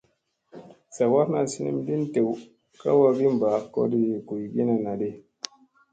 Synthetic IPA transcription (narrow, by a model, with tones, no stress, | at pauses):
sa˨wa˦na˨si˦nḭ˦mdi˦n˦te˨w | ka̰˦wa˦ɡi˦m˨ba˨˦˨kɔ̰˦di˨ku˨jɡi˦na˨na˨de˦